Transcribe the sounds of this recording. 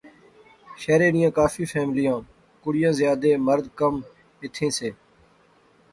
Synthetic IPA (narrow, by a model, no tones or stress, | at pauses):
ʃɛːɾeːnɪjãːkaːfiːfʰɛːmlɪjãː | kʊɽɪjãːzɪjaːd̪eːməɾd̪kəm | ɪt̪ʰːẽːseː